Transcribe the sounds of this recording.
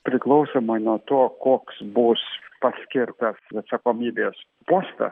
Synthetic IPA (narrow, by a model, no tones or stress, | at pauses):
pʲɾʲɪklˠɐʊsoːmɐɪnuɔt̪oːkoːksbʊspɐsʲkʲɪɾt̪ɐsɐt̪sɐkoːmʲiːbʲeːs | poːst̪ɐ̰